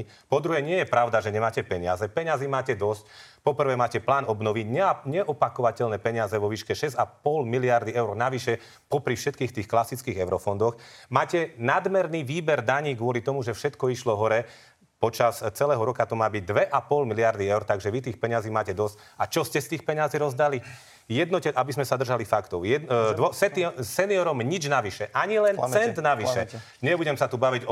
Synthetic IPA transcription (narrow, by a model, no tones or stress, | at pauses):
pɔd̪ɾuɦɛːɲɪɛjɛpɾaʊd̪aʒɛɲɛmaːcɛpɛɲɪazɛpɛɲaziːmaːcɛd̪ɔscpɔpr̩ʋɛːmaːcɛplaːnɔbnɔʋiɟɲɛɲɛʔɔpakɔʋacɛlnɛːpɛɲɪazɛʋɔʋiːʃkɛʃɛzapɔlmiliaɾd̪iɛʊɾnaʋiʃɛ | pɔpɾifʃɛt̪kiːxt̪iːxklasit͡skiːɣɛʊɾɔfɔnd̪ɔxmaːcɛnad̪mɛɾniːʋiːbɛɾd̪aɲiːɡʊɔlit̪ɔmuʒɛfʃɛt̪kɔiʃlɔɦɔɾɛ | pɔt͡ʃast͡sɛlɛːɦɔɾɔkat̪ɔmaːbiɟ̚d̪ʋɛʔapɔlmilɪaɾd̪iɛʊɾt̪aɡʒɛʋit̪iːxpɛɲaziːmaːcɛd̪ɔsc | at͡ʃɔscɛst̪iːxpɛɲaziɾɔzd̪ali | jɛd̪nɔcɛʔabizmɛsad̪r̩ʒalifakt̪ɔʊjɛɔsɛt̪isɛniɔɾɔmɲid͡ʒnaʋiʃɛʔaɲilɛnsɛnd̪naʋiʃɛ | ɲɛbuɟɛmsat̪ubaʋiɟɔ